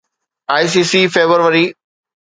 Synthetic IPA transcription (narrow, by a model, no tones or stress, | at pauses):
aːis̬iːsiːfeːbəɾʋəɾiː